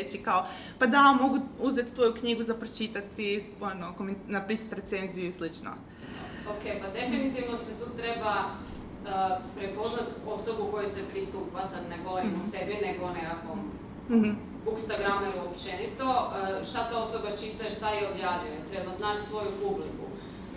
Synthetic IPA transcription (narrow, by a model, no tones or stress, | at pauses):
et͡ʃikao | pad̪amo̞ɡuuze̞t̪t̪ʋo̞jukɲiɡuzapɾot͡ʃit̪at̪i | onokomennapɾisḁt̪ɾet̪se̞nzijuislit͡ʃno̰ | okepad̪e̞finit̪iʋnoset̪uːt̪ɾeba | əpɾepo̞znat̪o̞sobuko̞jusepɾist̪uːpasad̪neɡolimosebineɡonekakom̩ | hm̩ | bukst̪aɡɾameɾuopt͡ʃenit̪o̞ʃt̪at̪ao̞sobat͡ʃit̪aeʃt̪ajiobjaːʋjujoet̪ɾebaznaːt͡ʃsʋo̞jupublikṵ